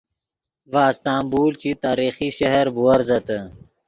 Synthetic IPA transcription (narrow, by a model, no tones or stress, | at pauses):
ʋaːst̪aːmbuːlt͡ɕit̪aːɾiːxiːɕɐɦɐɾbuɐɾzɐt̪ə